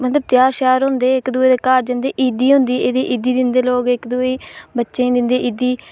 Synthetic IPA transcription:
mət̪ləb̚t̪jaːɾʃaːɾɦʊ̃nd̪eːɪkd̪ʊeːd̪eːkaːɾd͡ʒə̃nd̪eːʔiːd̪iːɦʊ̃nd̪iːeːd̪eːʔid̪iːd̪ɪnd̪eːloːɡɪkd̪ʊeːbətːʃẽːd̪ɪnd̪eːʔiːd̪iː

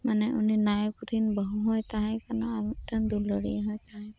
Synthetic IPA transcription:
manɛʔṵninajɔkut̪ʰinbəɦuɦɔjt̪aɦɛjkanɔatand̪ulɔɹḭɦɔjt̪aɦɛ

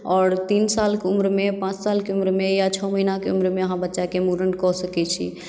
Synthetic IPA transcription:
ɔːɾt̪insalkeumɾmepãt͡ʃsalkeumɾmejat͡ʃʰɔməɦinakeumɾmeəɦãbətːʃakemuɾəɳkɔsəkɛt͡ʃʰḭ

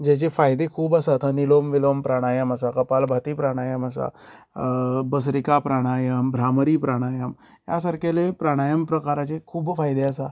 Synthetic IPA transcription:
d͡ʑɛt͡ɕefajd̪ekʰuːbasat̪ʰanilomʋilompɾaɽ̃ajəmas̬akəpalbʱat̪iːpɾaɽ̃ajəmasa̰ | bəs̬ɾikapɾaɽ̃ajəmbʱɾaməɾiːpɾaɽ̃ajəm | ja̰saɾkelepɾaɽ̃ajəmpɾəkaɾat͡ɕekʰuːbfajd̪easa

